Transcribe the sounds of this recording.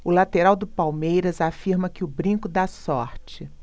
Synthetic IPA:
ʊlat̪eɾawd̪ʊpawmejɾɐzafiɾmɐkɪʊbɾĩkʊd̪asɔɾt͡ʃɪ

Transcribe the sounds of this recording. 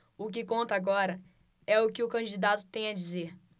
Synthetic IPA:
ʊk̬ɪkõnt̪ɐaɡɔɾɐ | ɛʊkɪʊkɐ̃d͡ʒid̪at̪ʊ̥t̪ẽj̃ɐd͡ʒizeh

